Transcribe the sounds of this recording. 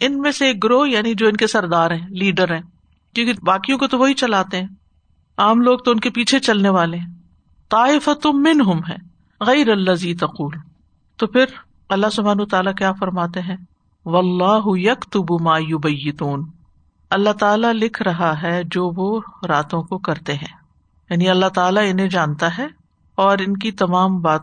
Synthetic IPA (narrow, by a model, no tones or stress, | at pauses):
ɪnmẽseːk̚ɡɾoːɦjaːnid͡ʒoːɪnkesɐɾd̪aːɾɦɛ̃ːliːɖəɾɦɛ̃ː | kjõːkibaːkijõkot̪oʋoɦit͡ʃɐlaːt̪eɦɛ̃ː | aːmloːɡ̚t̪oʊnkepiːt͡ʃʰet͡ʃɐlneʋaːleɦɛ̃ | t̪ˤɑːɪfət̪omɪnɦʊmɦɛ̰̃ː | ɣɛɪɾɐlːɐziːt̪ɐquːl | t̪oːpʰɪɾ | ɐlːaɦsʊbʱaːnuːt̪aːlakjaːfɐɾmaːt̪eɦɛ̃ː | ʋɐlːɑːɦʊjɐkt̪ʊbmaːjʊbɐjːɪt̪uːn | ɐlːat̪aːlalɪkʰɾɐɦaɦɛd͡ʒoːʋoɾaːt̪õkokɐɾt̪eɦɛ̃ː | jaːniɐlːat̪aːlaɪnɦẽd͡ʒãːnt̪aɦɛ | ɔːɾɪnkit̪ɐmaːmbaːt̪